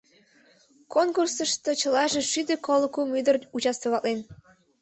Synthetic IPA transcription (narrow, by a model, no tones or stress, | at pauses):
konkursəʃt̪ot͡ɕəlɑʒeʃyd̪ekolˠəkumyd̪ərut͡ɕɑst̪əβɑlen